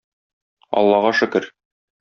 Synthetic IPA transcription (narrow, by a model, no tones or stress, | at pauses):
ɒ̰lˠːɑʁɑʃɵ̆kɘɾ